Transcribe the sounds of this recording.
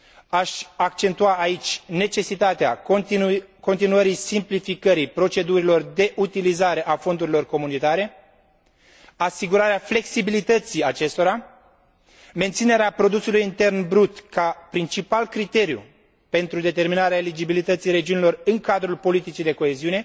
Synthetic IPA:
aʃʲak̚t͡ʃe̞nt̪uaːit͡ʃʲne̞t͡ʃe̞sit̪at̪ea̰ | ko̞nt̪inuəɾisimplifikəɾijpɾo̞t͡ʃe̞d̪uɾilo̞rd̪e̞ʔut̪ilizaɾe̞ʔafo̞nd̪uɾilo̞rko̞munit̪aɾe̞ | asiɡuɾaɾeafle̞ksibilit̪ət̪siat͡ʃe̞st̪o̞ɾa | me̞nt̪sine̞ɾeapɾo̞d̪usulujint̪e̞rnbɾut̪kapɾint͡ʃipalkɾit̪e̞ɾjṵ | pe̞nt̪ɾud̪e̞t̪e̞rminaɾeaelid͡ʒibilit̪ət̪sijɾe̞d͡ʒiunilo̞rɨŋkad̪ɾulpo̞lit̪it͡ʃid̪e̞ko̞e̞ziune̞

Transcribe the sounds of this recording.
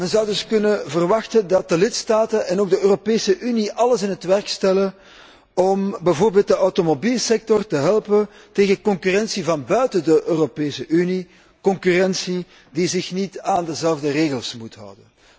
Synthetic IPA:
mɛnzɑwdɵskɵnəvərʋɑxtəndɑt̚dəlɪtstaːtənɛnoːɡ̚dəøːropeːsəʔyniʔɑləsɪnɦətʋɛrkstɛlən | ɔmbɛvoːrbeːlˠt̚dəʔɔwtomobiːlˠsɛk̚tɔrtəɦɛlˠpən | teːɣəkɔŋkyrɛnsivɑnbœɥtədəʔøːropeːsəʔyni | kɔŋkyrɛnsi | dizɪxnitaːndəzɛlvdəreːɣəlˠsmutɦɑ̰wdən

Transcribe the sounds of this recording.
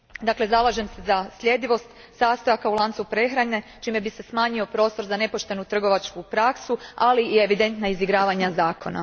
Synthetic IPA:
d̪akle̞zalˠaʒe̞msezaslʎʲe̞d̪iʋo̞st̪ | saːst̪o̞jakaulˠaːnt̪supɾe̞xɾaɲe̞t͡ʃiːme̞bise̞smaːɲio̞pɾo̞ːst̪o̞ɾzane̞po̞ʃt̪e̞nut̪r̩ɡo̞ʋat͡ʃkupɾaksualiie̞ʋid̪e̞nt̪naiziɡɾaːʋaɲazaːkʰo̞̰na̰

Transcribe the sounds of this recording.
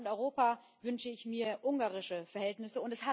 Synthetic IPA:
ʊntɔʏʁoːpaː | vʏnʃəɪçmiːɐʔʊŋɡaːʁɪʃəfɛɐhɦɛltnɪsəʊntɛsha

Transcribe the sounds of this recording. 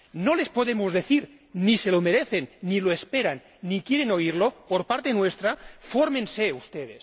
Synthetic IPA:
nole̞spoðemozðeθiɾ | nise̞lomeɾeθenːiloespeɾanːikjeɾenoiɾlopoɾpaɾt̪enwest̪ɾafoɾmẽnseust̪eð̞es

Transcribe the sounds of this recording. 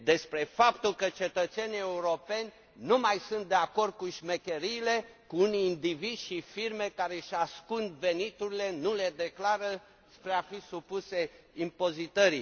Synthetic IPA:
d̪e̞spɾe̞fapt̪ulkət͡ʃe̞t̪ət̪senie̞uɾo̞pe̞nʲ | numajsunt̪̚d̪e̞ako̞rd̪̚kuʃmekʲeɾiːle̞kuuniːnd̪ivid̪ʃifirme̞kaɾe̞ʃʲaskund̪venit̪uɾile̞nule̞d̪e̞klaɾə | spɾeafisupuse̞ | impo̞zit̪əɾi

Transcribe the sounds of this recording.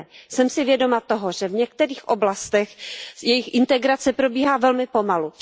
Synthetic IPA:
sɛmsɪvjɛdo̞mat̪oɦoʒɛvɲɛkt̪ɛɾiːxʔoblast̪ɛxjɛjɪxʔɪnt̪ɛɡɾat͡sɛpɾo̞biːɦaːvɛlmɪpo̞malu

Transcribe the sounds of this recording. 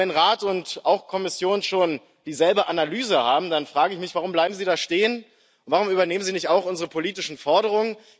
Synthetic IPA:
ɛnʁaːtʊntʔaʊxkʰɔmɪsjoːnənʃoːn | d̥iːzɛlbəʔanalyːzəhaːbm̩danfʁ̥aːɡəɪçmɪçv̥aʁ̞ʊmblaɪbm̩ziːdaːʃteːən | ʊntv̥aʁʊmyːbɐneːmənziːnɪçtaʊxʔʊnzəʁəpʰoliːtɪʃn̩fɔɐɾəʁ̞ʊŋən

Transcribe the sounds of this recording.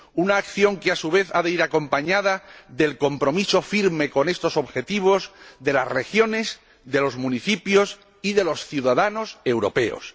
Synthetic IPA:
unaːkθjo̞ŋkeasuβ̞e̞θaðe̞iɾako̞mpaɲað̞aðe̞lko̞mpɾo̞miso̞fiɾme̞ko̞ne̞st̪o̞so̞βxe̞t̪iβ̞o̞zðe̞lasre̞xjo̞ne̞z | ðe̞lo̞zmũniθipjo̞s | iðe̞lo̞sθjuðaðano̞se̞wɾo̞̰pe̞o̰s

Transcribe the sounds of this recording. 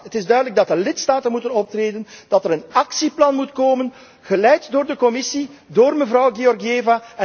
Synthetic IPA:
ɦətɪzdœɥdələɡ̚dɑtdəlɪtstaːtənmutənɔp̚treːdənd̥ɑtəɾənɑksiplɑnmutkoːmən | ɣəlɛjtdoːrdəkɔmɪsidoːrməvrɑwɣeɔrɡieːvaɛ

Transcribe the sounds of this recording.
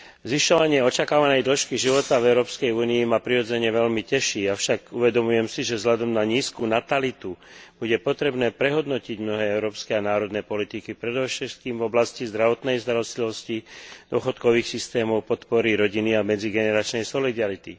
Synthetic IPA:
zʋiʃɔʋaɲɪɛɔt͡ʃakaːʋanɛjd̪l̩ʃkiʒiʋɔt̪avɛʊɾɔːpskɛjuːniimapɾiɾɔd͡zɛɲɛʋɛʎmicɛʃiːafʃaɡuʋɛd̪ɔmujɛmsiʒɛvzlʎad̪ɔmnaɲiːskuːnat̪alit̪u | b̥uɟɛpɔt̪ɾɛbnɛːpɾɛɦɔd̪nɔciɟmnɔɦɛːɛʊɾɔːpskɛanaːɾɔd̪nɛːpɔlit̪ikipɾɛd̪ɔʃɛt̪̚kiːmvɔblascizd̪ɾaʋɔt̪nɛjzd̪ɾaɔst̪liʋɔscid̪ʊɔxɔt̪kɔʋiːxsist̪ɛːmɔʊpɔt̪pɔɾiɾɔɟiniamɛd͡ziɡɛnɛɾat͡ʃnɛjsɔlid̪aɾit̪i

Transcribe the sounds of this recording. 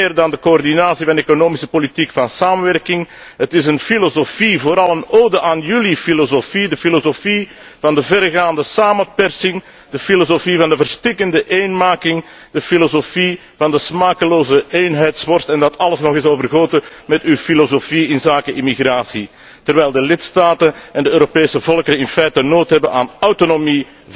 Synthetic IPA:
eːrdɑndəkoɔrdinaːsivɑnekonoːmisəpolitikfɑnsaːmənʋɛrkɪŋ | ɦətɪsənfilozofivoːɾɑlˠənoːdəʔaːnjylifilozofidəfilozofi | vɑndəvɛrɣaːndəsaːməpɛrsɪŋ | d̥əfilozofivɑndəvərstɪkəndəʔeːnmaːkɪŋ | d̥əfilozofi | vɑndəsmaːkəloːzəeːnɦɛjtsʋɔrstɛndɑtʰɑləsnɔxɪsoːvərɣoːtəmɛtywfilozofiɪnzaːkəʔimiɣraːsi | tərʋɛjlˠdəlɪtstaːtənɛndəøːɾopeːsəvɔlˠkəɾənɪnfɛjtənoːtɦɛbənʔa̰ːnawtonomi

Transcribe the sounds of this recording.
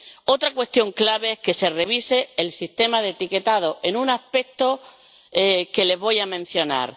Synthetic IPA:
o̞t̪ɾakwe̞st̪jo̞ŋklaβ̞e̞ehske̞se̞re̞β̞ise̞ːlsist̪e̞maðet̪ike̞t̪að̞oʔe̞nũnape̞k̚t̪o̞ | ke̞le̞zβo̞jamẽn̟θjo̞na̰ɾ

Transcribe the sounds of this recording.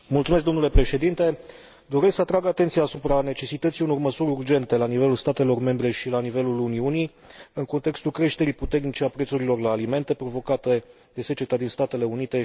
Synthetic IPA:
mult̪sumeskd̪o̞nule̞pɾe̞ʃe̞d̪int̪e̞ | d̪o̞ɾesksəat̪ɾaɡat̪e̞nt̪sijaːsupɾane̞t͡ʃe̞sit̪ət̪sijuno̞rməsuɾʲurd͡ʒe̞nt̪e̞lanive̞lulst̪at̪e̞lo̞rme̞mbɾe̞ʃilanive̞luluniunij | ɨŋko̞nt̪e̞kst̪ulkɾe̞ʃt̪e̞ɾiput̪e̞rnit͡ʃeapɾe̞t̪suɾilo̞rlaːlime̞nt̪e̞pɾo̞vo̞kat̪e | d̪e̞se̞t͡ʃe̞t̪ad̪inst̪at̪e̞le̞unit̪e̞

